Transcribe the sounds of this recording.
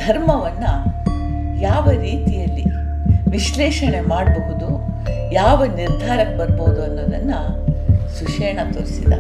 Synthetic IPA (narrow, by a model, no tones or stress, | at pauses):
d̪̥ʱɐɾmɐʋɐnːɐ | jaːʋɐɾiːt̪ijɐlːi | ʋiʃlɛːʂɐɳe̞maːɽbɐɦud̪u | jaːʋɐniɾd̪ʱaːɾɐk̚bɐɾboːud̪uɐnːoːd̪ɐnːɐ | suʂɛːɳɐt̪oːɾisid̪ɐ̰